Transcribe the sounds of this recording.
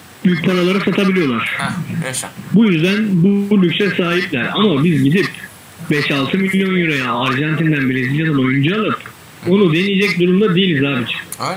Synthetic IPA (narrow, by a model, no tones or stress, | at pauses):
b̥yjc̚pʰaɾalˠaɾɯsat̪ʰabilʲijo̞lˠaɾ̥ | bujyzd̪ænbuulʲyksɛsaːɦiplʲæɾa̰mabizɟid̪ip | bɛʃalˠt̪ʰɯmilʲːjo̞njuɾejaːɾʒant̪ʰind̪ænbiɾeziat̪anojund͡ʒaalˠɯp | o̞nud̪e̞nijed͡ʒɛc̚d̪uɾumd̪ad̪ejilʲizaːbid͡ʒʰɛ̥